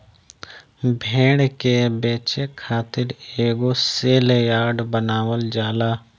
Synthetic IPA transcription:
bʱẽːɽkebeːt͡ʃekʰaːt̪ɪɾeːɡoseːlejaːɖbənaːwəld͡ʒaːlaː

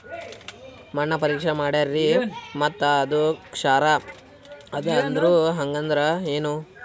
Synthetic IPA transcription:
mɐɳːɐpɐɾiːkʂɐmaːɽɐɾɾimɐt̪ːɐːd̪ukʂaːɾa | ɐd̪ɐɐnd̪ɐɾuɦɐŋɡɐnd̪ɾɐeːnu

